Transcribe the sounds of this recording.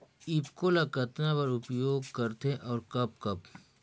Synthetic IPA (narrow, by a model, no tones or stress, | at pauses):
ɪbkoːlakɐt̪napɐɾʊpjoːɡkɐɾt̪eʔɔːɾkɐb̚kɐb